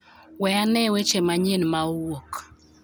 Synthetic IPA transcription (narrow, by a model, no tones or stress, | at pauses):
wɛanɛwet͡ʃemaɲenmaowok